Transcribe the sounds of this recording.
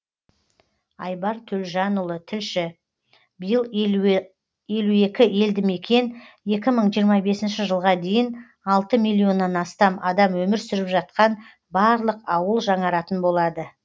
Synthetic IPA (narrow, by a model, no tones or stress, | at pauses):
ɑ̰jbɑɾt̪ʰɵlʒɑnʊlˠət̪ʰɪlʃɪ | bɪjəlˠ | je̞lue̞kʲɪe̞ld̪ɪme̞kʲʰe̞nje̞kʲɪməɴʒijəɾmɑbe̞sɪnʃɪʒəlˠʁɑd̪e̞jɪn | ɑlˠt̪əmijlʲˠːio̞nːɑnɑst̪ɑmɑd̪ɑmwɵmɪɾsʏɾɪpʒɑt̪̚qɑn | bɑɾlˠəqɑwəlˠʒɑɴɑɾɑt̪ənbo̞lˠɑd̪ə